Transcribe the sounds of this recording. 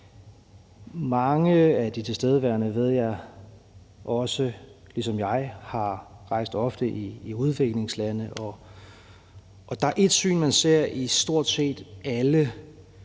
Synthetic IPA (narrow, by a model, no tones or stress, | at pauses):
mɑ̈ŋəæd̥it͡sʰe̝sd̥eːð̞ˠəʋæɐnəʋe̝ð̞̰ˠjɑ̈ɪ | ʔɒ̽səlisɒ̽mjɑ̈ɪhɑ̈ʁɑ̈ɪ̰sd̥ɒ̽fd̥əʔiːuð̞ˠʋe̝ɡ̥le̝ŋslænəʔɒ | ʔːd̥ɑ̈æɐʔe̝d̥sy̰ːnmænse̝ɐ̰isd̥o̝ɐ̰d̥se̝̰ːd̥ælə